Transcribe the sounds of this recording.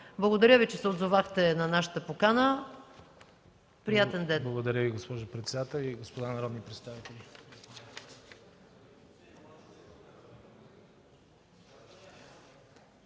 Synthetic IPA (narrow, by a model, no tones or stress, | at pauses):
blˠəɡod̪ɐɾjəvit͡ʃɛsɛod̪zovaxt̪ɛnɐnaʃə̥t̪əpokanə | pɾijat̪ɛnd̪ɛnblˠɡod̪ɐɾʲəviɡospɔʒopɾɛt̪sɛd̪at̪ɛlˠiɡospod̪anɐɾɔd̪nipɾɛt̪st̪avit̪ɛlʲi